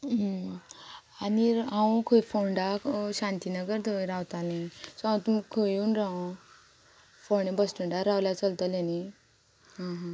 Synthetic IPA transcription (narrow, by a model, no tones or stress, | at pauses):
ɦ | aniɦãw̃kʰoifoɳɖaɕant̪inəɡəɾd̪ʱoɾawt̪alẽsɔãt̪kʰojuːnɾaw | foɳebəsʈuɳɖaɾawljat͡səlt̪əleni | ɦãɦã